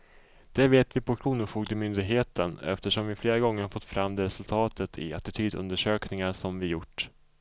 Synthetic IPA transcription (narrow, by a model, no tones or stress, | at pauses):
d̪̥ɛveːt̪vɪpʰɔkʰɾuːnʊfuːɡd̪əmʏnd̪ɪɡɦeːt̪ənɛ̰ft̪əʂɔmvɪfleːɾaɡɔŋːəɾhafɔt̪ːfɾamːd̪ɛɾɛsɵlt̪ʰɑːt̪ʰət̪ʰɪ̰at̪ɪt̪ʰyːd̪ɵ̰nd̪əʂøːknɪŋaɾʂɔmvɪjʊʈː